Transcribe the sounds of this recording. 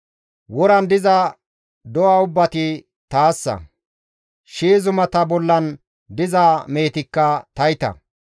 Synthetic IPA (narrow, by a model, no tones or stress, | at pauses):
wɔɾɐnd̪ɪzɐ | d̪ɔwaʊbːɐt̪ɪ | t̪aːsːɐ̰ | ʃiːzʊmɐt̪ɐbɔlːɐn | d̪ɪzaːme̞ːt̪ɪkːɐt̪ɐjɪt̪ɐ̰